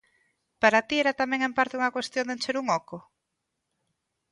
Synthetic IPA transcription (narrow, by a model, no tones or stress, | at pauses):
paɾat̪ieɾat̪amẽŋempaɾt̪euŋɐkwest̪jond̪ent͡ʃeɾuŋɔko